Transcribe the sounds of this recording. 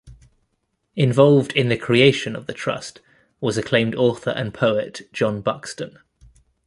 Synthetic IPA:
ɪ̃ɱvɒlˠvdɪ̃nðəkʰɹ̥ieɪʃə̃nəvðətʰɹ̥ʌ̰st | wɒzəkʰl̥ẽɪ̃mdɔˑθə̰ɹʔə̰̃npʰəʊɪʔd̥ʒ̥ɒ̃nbʌkstə̃n

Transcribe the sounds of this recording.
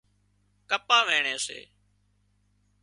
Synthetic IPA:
kəpãːʋeːɳeːsḛː

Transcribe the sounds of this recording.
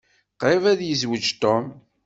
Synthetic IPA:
qɾˤɪvæðjəzwəd͡ʒt̪om

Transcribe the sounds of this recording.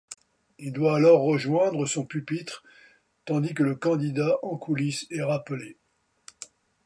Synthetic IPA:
ild̪waːlɔʁːəʒwɛ̃d̪ʁəsɔ̃pypit̪χ | t̪ɑ̃d̪ik̬ələkɑ̃d̪id̪aʔɑ̃kʰulisɛʁapəle

